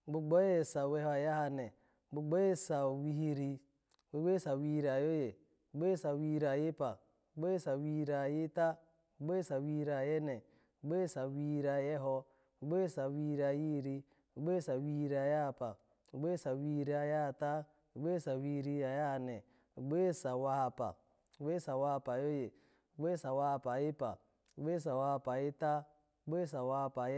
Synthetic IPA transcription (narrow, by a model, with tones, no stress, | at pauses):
ɡ͡bu˨ɡ͡bo˦je˦˨sa˨we˦ho˦a˨ja˦ha˨ne˨ | bu˨ɡ͡bo˦je˦sa˨wi˨˦hi˦ɾi˦ | we˨ɡ͡be˦sa˨wi˨˦˨ɾi˨a˨jo˦je˨ | u˨ɡ͡bo˦e˦˨sa˨wi˦ɾi˨a˨je˦pa̰˨ | u˨ɡ͡bo˦je˦sa˨wi˨ɾi˨a˨ji˦ta˦ | bu˨ɡ͡bo˦e˦sa˨wi˨hi˨˦ɾi˨a˨je˦ne˨ | bu˨ɡ͡bo˦e˦sa˨wi˨i˨ɾi˨a˨je˦ɦo˦ | bu˨ɡ͡bo˦je˦sa˨wi˨i˦ɾi˨a˨ji˦˨ɾi˦˨ | ɡ͡be˦sa˨wi˦ɾi˦a˨ja˦˨pa˨ | ɡ͡be˦sa˨wi˨ɾi˦a˨ja˦˨ta˦˨ | ɡ͡be˦sa˨wi˨ɾi˦a˨ja˦˨nɛ˨ | ɡ͡be˦sa˨wa˦˨pa̰˨˦ | ɡ͡be˦sa˨wa˦˨pa˨jo˦je˨˦ | ɡ͡be˦sa˨wa˦˨pa˨ji˦pa̰˨ | ɡ͡be˦s̬a˨wa˦˨pa˨ji˦ta˦˨˦ | ɡ͡be˦sa˨wa˦˨pa˨˦